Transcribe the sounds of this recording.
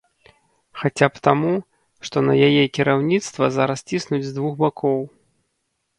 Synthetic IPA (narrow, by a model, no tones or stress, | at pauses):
xat͡sʲapt̪amu | ʂt̪ɔnɐjajɛkʲiɾawnʲit̪st̪vɐzaɾɐst͡sʲisnud͡zʲzd̪vuxbakʰɔw